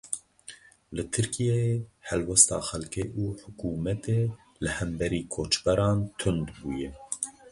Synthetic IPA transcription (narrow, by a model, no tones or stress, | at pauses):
lɨt̪ʰɨɾkijeehɛlwɛst̪ɑ̰ːxɛlkeːʔuːħʊkuːmɛt̪eː | lɨhɛmbɛɾiːkʰoːt͡ʃbɛɾɑːnt̪ʰʊnd̪buːjɛ